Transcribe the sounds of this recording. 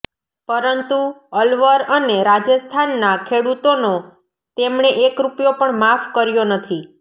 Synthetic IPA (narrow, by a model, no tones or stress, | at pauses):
pəɾənt̪uəlʋəɾəneɾad͡ʒəst̪ʰanːakʰeɽut̪ono | t̪emɳeʔekɾupjopəɳmafkəɾjonət̪ʰi